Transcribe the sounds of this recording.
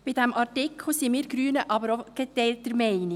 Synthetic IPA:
b̥ɪd̥̪ɛmʔɑrtɪkʰl̩simiːɾɡɾyːnəʔɑbəɾoɡ̥ɛt̪ɛɪltəɾmɛɪnɪ

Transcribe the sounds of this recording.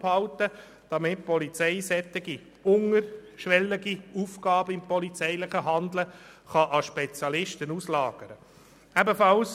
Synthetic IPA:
phɑwtə | d̥ɑmɪt̚pɔlit͡sɛɪsɛt̪ːɪɡi | ʊŋəɾʃʋɛlːiɡiufɡɑːbəɪmpɔlit͡sɛɪlɪχəɦɑnd̪lə | χɑʔɑʃpɛt͡sjɑlɪʃtənuslɑːɡ̥əɾə | æbəfɑls

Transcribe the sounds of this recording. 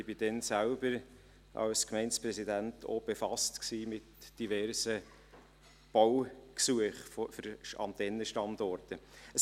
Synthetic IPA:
ɪbid̥ɛnsælb̥əɾ | ʔɑ̰lskmɛɪnspɾɛsidæntʰo̰b̥efɑstksiːmɪtd̥ivɛrsə | b̥ɔwksuəχfɔfəɾɑ̰nt̪ɛnəʃtɑndɔrtəəs

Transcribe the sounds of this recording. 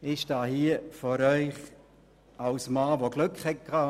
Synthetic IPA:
ɪʃd̥ɑːhiəfɔɾœʏχ | alsmɑːvoɡ̥lʉkχhɛt̚kʰɑː

